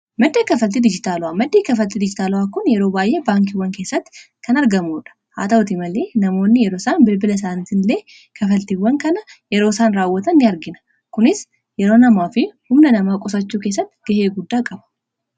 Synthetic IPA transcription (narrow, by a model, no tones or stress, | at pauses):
mɐd̪ːeːkɐfɐlt̪id̪ɪd͡ʒɪt̪aːlʊwaːmɐd̪ːeːkɐfɐlt̪id̪ɪd͡ʒɪt̪aːlʊwaːkʊnjɛɾoːbaːjʔe̞ːbaːŋk̬ɪwːɐŋke̞ːsːɐt̪ːɪ̥ | kɐnɐɾɡɐmoːᶑɐ̥ha̰ːt̪ɐʊt̪ɪmɐle̞ːnɐmo̞ːnːɪjɛɾoːsaːnbɪlbɪlɐs̬aːnt̪ɪnleː | kʰɐfɐlt̪iwːɐŋkɐnɐjɛɾo̞ːsaːnɾaːwːɐt̪ɐnːɪɐɾɡɪnɐ̥ | kʊnɪs | jɛɾo̞ːnɐmaːfɪhʊmnɐnɐmaːkʼʊs̬ɐt͡ʃːuːke̞ːs̬ːɐt̪ːɪ̥ɡ̥ɐheːɡʊd̪ːaːkʼɐbɐ̥